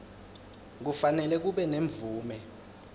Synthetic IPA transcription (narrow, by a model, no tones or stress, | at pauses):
k̬ufanɛlɛk̬uɓɛneɱb̪vuːmɛ